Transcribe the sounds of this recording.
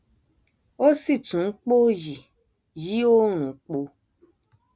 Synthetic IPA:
o˦si˦˨tũ˨˦k͡po˦ji˨ | ji˦o˦ɾ̃ũ˨k͡po˧

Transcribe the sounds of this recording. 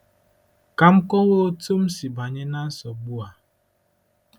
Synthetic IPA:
ka˨ŋ͡m̩˦kɔ˦wo˦tu˦m̩˦si˨ba˨ɲe˦na˦n̩˦sɔ˨ɡ͡bu˦a˨

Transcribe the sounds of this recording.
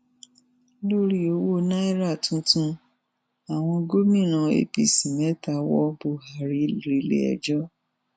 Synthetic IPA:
lo˦ɾi˦o˨˧˦wo˦˨na˦i˦ɾa˦˨tũ˦tũ˦ | a˨w̃ɔ̃˧ɡo˦mĩ˦˨nã˨˧ḛ˧bi˧sĩ˨mɛ˨˦ta˧wɔ˦bo˨ha˨ɾi˦ɾi˨˦lḛ˦ɛ̰˧˨d͡ʒɔ˦

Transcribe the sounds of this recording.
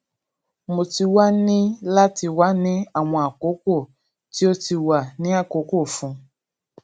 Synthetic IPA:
mo˨ti˧wa˦nĩ˦la˦ti˧wa˦nĩ˦a˨w̃ɔ̃˧a˨ko˨˦ko˦˨ | ti˦o˦ti˧wa˨nĩ˦a˦˨ko˨˦ko˦˨fũ˧

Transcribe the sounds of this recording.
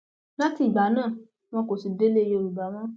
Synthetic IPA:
la˦ti˦˨i˨ɡ͡ba˨˦nãː˦˨ | w̃ɔ̃˧˦ko˨si˨de˦le˦je˧˦o˧˨ɾu˨ba˨˦w̃ɔ̃˦

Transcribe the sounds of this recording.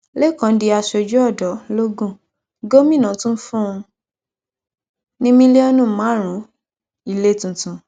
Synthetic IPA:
le˦˨kã˨˧n̩˦di˧a˧ʃɔ˧d͡ʒɔ˦ɔ˦˨dɔ˨˦lo˦ɡũ˦˨ | ɡo˦mĩ˦˨nã˨˦tũ˦n̩˦fũ˦ũ˧ | nĩ˦mĩ˧˦le˦ɔ˦nũ˦˨mã˨˦ɾ̃ũ˨˦ | i˦˧˨le˦˨tũ˨tũ˨

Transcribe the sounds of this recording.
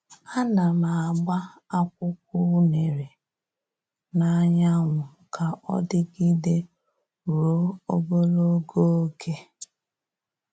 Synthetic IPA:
a˦na˨ma˨a˨ɡ͡ba˦ | a˦k̚ʷʊ˦k̚ʷu˦ne˨ɾe˨ | na˨˦ɲa˦ŋʷʊ˨ | kʰa˨ʔɔ̰˦dɪ˦ɡi˦de˦ | ɾo˦o˦bo˦lo˦ɡo˦o˦kʰe˦

